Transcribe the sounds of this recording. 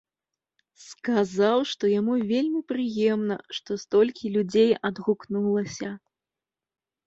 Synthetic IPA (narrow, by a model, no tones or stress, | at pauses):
skazawʂt̪ɔjamuvʲelʲmʲipɾɨjɛmnɐ̰ʂt̪ɔst̪ɔlʲkʲilʲud͡zʲejɐd̪ɣuknulˠɐsʲɐ